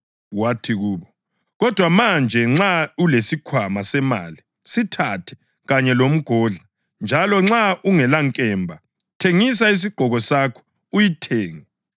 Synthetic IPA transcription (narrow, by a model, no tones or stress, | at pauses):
watʰiɣuːβɔ | ɣɔd̥ʱwamand͡ʒʱɛŋ͡ǁaulesikʰwamasɛma̰ːli | sitʰatʰɛ̥ | ɣaɲɛlom̩ɡ̥ʱɔɮa | nd͡ʒʱalɔŋ͡ǁaʔuŋɛlaŋkʼɛmbʱa | tʰeŋis̬ais̬iɡ͡ǃ̥ʱɔɣɔsakʰɔ̥ | ujitʰeːŋi